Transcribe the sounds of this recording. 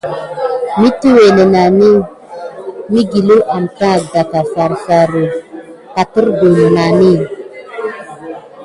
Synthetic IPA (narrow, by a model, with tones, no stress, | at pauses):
mi˦tu˦we˨ne˨na˨mi˦ | mi˦ɡi˨lu˦ʔa˨mta˦˨k̚da˨ka˨fa˨ɾsa˨ɾə˨ka˨tə˦ɾɡu˨n˨na˨mi˦